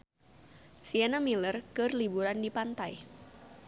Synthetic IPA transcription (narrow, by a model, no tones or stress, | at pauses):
sianamilərkɨrlibuɾandipant̪aj